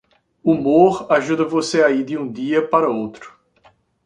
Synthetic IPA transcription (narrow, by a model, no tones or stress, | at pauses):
umoɾaʒud̪ɐvoseaid̪ɪũd̪iɐpaɾɐowt̪ɾʊ̥